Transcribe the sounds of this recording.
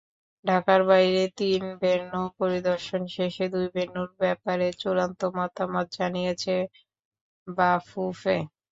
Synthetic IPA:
ɖʱakaɾbajɾet̪inbeɾnopoɾid̪oɾʃonʃeʃed̪ujbenːuɾbɛpaɾet͡ɕuɾant̪omat̪amat̪̚d͡ʑanijet͡ɕʰe | bafufe

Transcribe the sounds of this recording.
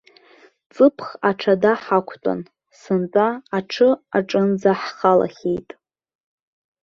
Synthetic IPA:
t͡sʼɨpʰχaʈ͡ʂʰadaħakʷʰtʼa̰n | sɨnt͡sʼaaʈ͡ʂʰɨaʈ͡ʂʼɨnd͡zaħχala̰χʲejtʼ

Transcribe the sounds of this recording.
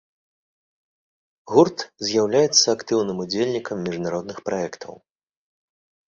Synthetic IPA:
ɣurt̪zʲjawlʲajɛt̪sːɐakt̪ɨwnɨmud͡zʲelʲnʲikɐmːʲiʐnaɾɔd̪nɨxpɾaɛkt̪ʰɐ̰w

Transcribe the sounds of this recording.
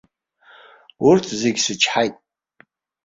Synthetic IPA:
urtʰzeɡʲsɨt͡ʃʰħajtʼ

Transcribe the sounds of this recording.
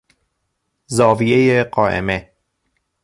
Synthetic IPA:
zɒːviejeɢɒːʔḛme

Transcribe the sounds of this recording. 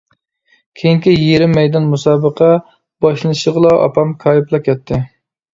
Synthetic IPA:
kʲʰejiŋkʲijeɾɪmːɛjd̪ɑnmusɑːbəqʰɑ | b̥ɑʃlˠɨnɨʃəʁlˠɑʔɑ̰pʰɑmkʰɑːjiplˠɑkʲʰɛt̪ʰːɪ

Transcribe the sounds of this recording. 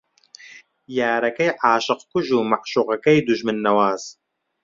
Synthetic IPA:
jaːɾɐkɐjʕaːʃɨqkʊʒuːmaʕʃuqakɐjd̪uʒmɨnːɐwaːz

